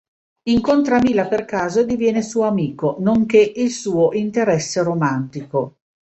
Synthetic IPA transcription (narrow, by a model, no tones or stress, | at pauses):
iŋkont̪ɾamilːaperkaːzoed̪ivjɛːnesuːoamiːkonoŋkeʔilsuːoʔint̪eɾɛsːeɾomant̪iko